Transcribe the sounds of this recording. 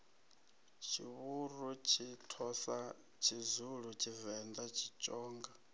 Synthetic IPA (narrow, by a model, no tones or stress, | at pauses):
t͡ʃʰiβurut͡ʃʰitʰɔsa | t͡ʃʰizuɺut͡ʃʰivɛnd̪at͡ʃʰit͡ʃʼɔːŋɡa